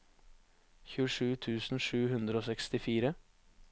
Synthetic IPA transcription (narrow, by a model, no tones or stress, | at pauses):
çʉːəʂʉːt̪ʰʉːsn̩ʂʉːhʉnd̪ɾəoːsɛkst̪ɪfiːɾə